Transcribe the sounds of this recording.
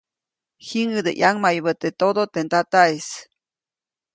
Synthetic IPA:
hiŋəd̪ḛʔjaŋmajβət̪et̪od̪ot̪ent̪at̪aes

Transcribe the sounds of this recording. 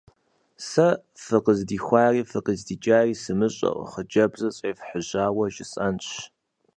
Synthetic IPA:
sɐ | fɨqəzdiːxʷɑːriːfɨqəzdiːd͡ʒʼaːriːsɨmɨɕʼɐ̰ʔχəd͡ʒɐbzɐt͡ɕʼeːfħəʑaːwɐʒɪsʼɐnɕ

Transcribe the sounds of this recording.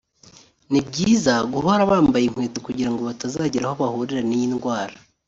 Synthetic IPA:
nibɟiːzaɡuɦoɾaβaːmbajiŋ̥weːtukuɟiɾaŋɡoβatazaːɟiɾahoβahuɾiɾanijinɡwaːɾa

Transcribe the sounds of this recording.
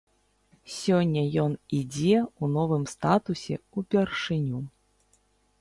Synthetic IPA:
sʲɔnʲːɐjɔnid͡zʲɛunɔvɨmst̪at̪usʲɛ̰upʲɛrʂɨnʲu

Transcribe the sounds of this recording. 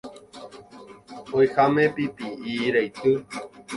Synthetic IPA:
ojxamepipiiɾajt̪ɨ

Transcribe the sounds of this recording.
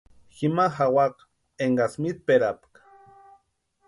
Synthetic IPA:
ximaxawaq | eŋɡasmit̪̚peɾapk

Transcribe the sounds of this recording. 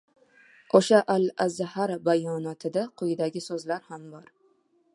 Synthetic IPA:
oʃaʔalazːahaɾbajɒnɒt̪ʰɪd̪aqʰʊjɪd̪aɡʲɪsɵzlaɾhambɒɾ

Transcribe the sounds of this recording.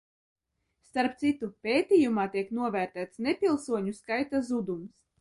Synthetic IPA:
st̪aɾp̚t̪sit̪upʲeːt̪ʲijumaːt̪iɛknuɔvʲæɾt̪æːt̪snepʲilˠsuɔɲuskajt̪azud̪ums

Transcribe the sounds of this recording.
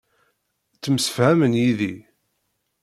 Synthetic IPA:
t͡sːəmsə̥fhæmənjiði

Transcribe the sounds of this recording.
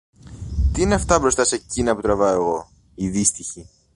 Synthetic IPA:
t̪iineɐft̪ɐbɾo̞st̪ɐsecinɐput̪ɾɐvɐoe̞ɣo̞ | iðist̪içi

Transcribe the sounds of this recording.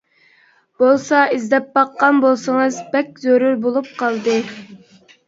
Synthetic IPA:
b̥olˠsɑizd̪ɛp̚bɑqːɑnbolˠsɨŋɨzbɛkʲzøɾuɾbolˠup̚qʰɑlˠd̪ɨ

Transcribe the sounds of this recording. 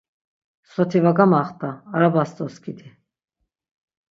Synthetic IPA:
sɔt̪ʰivaɡamaχt̪ʼaːɾabast̪ʼɔskʰid̪i

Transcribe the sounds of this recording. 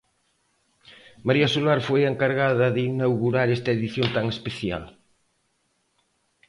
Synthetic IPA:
maɾiɐsulaɾfojeŋkaɾɣaðɐðeinawɣuɾaɾest̪ɐeðiθjont̪aŋespeθja̰l

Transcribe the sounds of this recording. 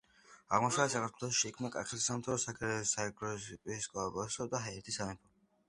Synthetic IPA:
aʁmɔʃavsakʰaɾt̪ʰɛlˠɔsʃiːkʰmnakʼa̰χɛt̪ʰisamt̪ʰaɾɔsaɡɛɾɛsaɛɡɾɔspʼiskʼɔabɔsɔd̪aɦaɛɾt̪ʰisavɛpʰɔ

